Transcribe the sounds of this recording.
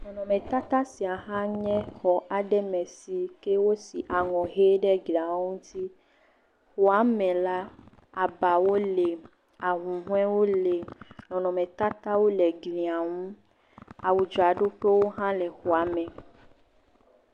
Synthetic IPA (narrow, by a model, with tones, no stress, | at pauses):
nɔ̃˨nɔ̃˨mɛ̃˨t̪a˦t̪a˦si˨a˨ɦã˦ɲɛ̃˦xɔ˨ʔa˨ɖɛ˦mɛ̃˨si˨ke˦wo˦si˨ʔa˨ŋɔ̃˨ɦe˦ɖɛ˦ɡla˨˦ŋũ˦t̪i˦ | xo˨a˦mɛ̃˨la˦ | a˨ba˨wo˦le˨ | a˨ɦũ˨ɦũ˦ɛ̃˦wo˦le˨nɔ̃˨nɔ̃˨mɛ̃˨t̪a˦t̪a˦wo˦lɛ˨ɡlĩ˨a˨ŋũ˦ | a˨wu˨d͡ʒɔ˨a˨ɖo˦ɸe˦wo˦ɦã˦lɛ˨xo˨a˨mɛ̃˨